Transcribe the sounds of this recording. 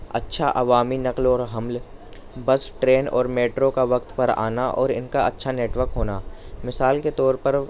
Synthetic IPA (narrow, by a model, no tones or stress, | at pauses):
ɐ̰tːʃʰaʔɐʋaːminɐqlɔːɾɦɐml | bɐsʈɾeːnɔ̰ːɾmeːʈɾokaʋɐk̚t̪pɐɾa̰ːnaʔɔːɾɪ̰nkaɐtːʃʰaneːʈʋəɾkɦoːnaːmɪsaːlket̪ɔːɾpɐɾ